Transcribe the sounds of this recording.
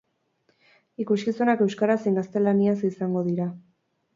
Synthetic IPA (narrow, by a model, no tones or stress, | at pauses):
ikuskisunake̞wskaɾasiŋɡast̪e̞laniasisaŋɡo̞ðiɾa